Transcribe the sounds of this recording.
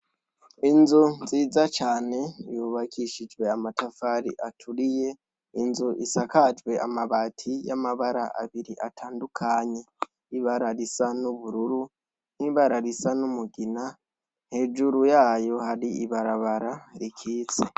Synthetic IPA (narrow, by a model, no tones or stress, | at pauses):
inzuziːzat͡ʃaːne̞juβakʰiʃid͡ʒwe̞amatafaɾḭʔatʰuɾije̞ | inzuʔisakad͡ʒwe̞a̰maβaːtʰijamaβaɾa̰ʔa̰βiɾiʔatʰaːndukʰaɲe̞ | iβaɾaɾisanuβuɾuɾu | n̥hiβaɾaɾisanumuɡina | nhe̞d͡ʒuɾujaːjo̞haɾiiβaɾaβaɾaɾikʰiːt͡se̥